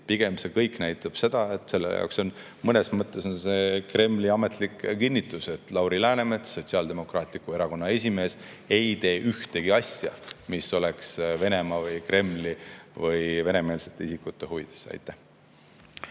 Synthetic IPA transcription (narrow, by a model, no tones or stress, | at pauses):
piɡ̥e̞mse̞kɤjkˑnæjt̪ːˑɑb̥se̞d̪̥ɑe̞t̪se̞lːḛjɑ̰wkso̞n | mɤne̞smɤt̪ːˑe̞so̞nse̞kre̞mliɑme̞t̪likkinʲːit̪ːˑuse̞t̪ːˑlɑwɾilæːne̞met̪so̞t̪ʲsiɑːld̪e̞mo̞krɑːt̪ˑlikue̞ɾɑko̞nːɑe̞sʲime̞ːs | e̞jt̪e̞ːʔyht̪e̞ɡ̥iɑsʲjɑ̰miso̞leksve̞ne̞mɑvɤjkre̞mlivɤjve̞ne̞me̞ːlset̪ːˑeisikːut̪ːˑe̞ɦuvid̪̥esːɑ̰jt̪ːˑæh